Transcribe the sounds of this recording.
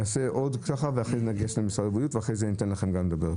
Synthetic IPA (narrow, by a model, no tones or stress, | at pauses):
aseʔo̞d̪kaχaveaχeznaɡeʃlemisaʁebiut̪veaχʁejzenit̪enlaχemɡamled̪abeʁ